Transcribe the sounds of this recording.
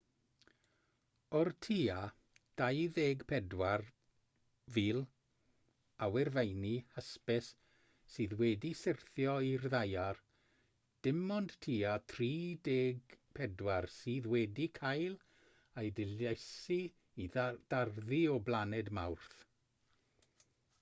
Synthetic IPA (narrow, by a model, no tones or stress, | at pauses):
ɔrtʰiːa | d̥ajðeːɡpʰɛdwar | viːlˠ | awɛrvejnihəspɛsː | ɨːðwɛdisɪrθjɔirðajar | d̥ɪmɔnd̥tʰiːatʰriːdeːɡpʰɛdwarsiːðwɛdikʰajlˠ | ajdɪlejsi | id̥arðiɔblˠanɛdmawrθ